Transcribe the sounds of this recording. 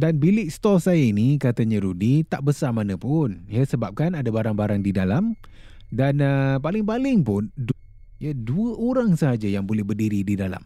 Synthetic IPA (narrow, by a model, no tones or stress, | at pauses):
danbilɪʔst̪ɔsajainikat̪aɲãɾudit̪aʔbəsamanəpʊnijasəbap̚kanadabaɾaŋbaɾaŋdidalam | danəpalɪŋpalɪŋpʊnd | ijaduəʔoɾaŋsəɦad͡ʒajaŋbolɛhbərdiɾididala̰m